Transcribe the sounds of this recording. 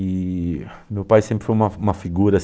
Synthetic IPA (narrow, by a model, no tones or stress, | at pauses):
i | mewpajsẽmpɾɪfojũmɐũmɐfiɡuɾɐs